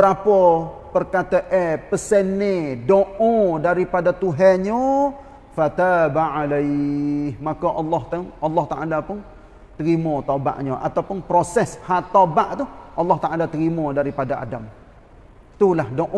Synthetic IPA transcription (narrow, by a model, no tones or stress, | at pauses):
bəɾapɔ | pərkat̪əʔɛpəsɛnedoʔɔ̃daɾipadat̪uɦɛɲɔ | fat̪abaalajhmakɔʔɑlːɑht̪ənɑlːɑht̪aʔalapʊn | t̪əɾimɔt̪aba̰ʔɲɔʔa̰t̪awpʊnpɾosɛshaʔt̪obaʔt̪uʔɑlːɑht̪aʔalat̪əɾimɔdaɾipadaa̰dam | t̪ulahdoʔ